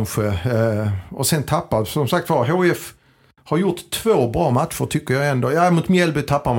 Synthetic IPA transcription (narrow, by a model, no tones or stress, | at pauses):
nɧə | ɔsɛnt̪ʰapːasɔmsak̚t̪vɑɦoɛf | haɾjʊʈt̪ʰːv̥oːbɾɑːmat̪ʂʊʈʰʏkːəɾjɑɛnd̪oːjamʊt̪mjɛlbʏt̪ʰapːam